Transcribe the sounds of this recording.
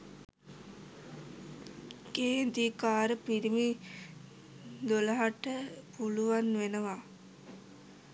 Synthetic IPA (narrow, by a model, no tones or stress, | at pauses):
ɡeːd̪ikaːɾəpiɾimi | d̪olɐɦaʈəpuluʋanʋenəʋa